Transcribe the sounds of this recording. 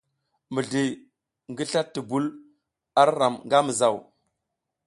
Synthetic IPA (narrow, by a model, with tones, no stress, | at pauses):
mi˨ɮi˨ | ŋɡi˦ɬa˦tːi˨bu˦l | a˦ɾɾa˨mŋɡa˦mi˨za˨w